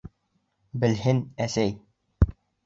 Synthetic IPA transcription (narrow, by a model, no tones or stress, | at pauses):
bɘ̆lɦɘnæsæj